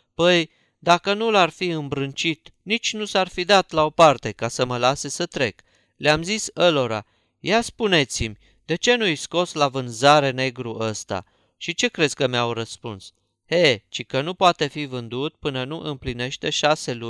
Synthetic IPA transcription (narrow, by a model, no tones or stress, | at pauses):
pəj | d̪akənularfiɨmbɾɨnt͡ʃit̪nit͡ʃʲnusarfid̪at̪lao̞part̪e̞kasəməlase̞sət̪ɾe̞k | leamzisəlo̞ɾa̰ | jaspune̞t̪simʲ | d̪e̞t͡ʃe̞nujsko̞slavɨnzaɾe̞ne̞ɡɾuʔəst̪a̰ | ʃit͡ʃe̞kɾe̞skəmeawrəspuns | het͡ʃikənupoat̪e̞fivɨnd̪ut̪̚pɨnənuʔɨmpline̞ʃt̪e̞ʃase̞lu